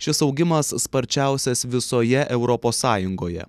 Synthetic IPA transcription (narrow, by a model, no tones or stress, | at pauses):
ʃʲɪsɒʊɡʲɪmɐsːpɐɾʲt͡ʃʲæˑʊsʲɛsʋʲɪsoːjɛʔɛʊɾɔpoːsːɑːjʊŋɡoːjɛ̰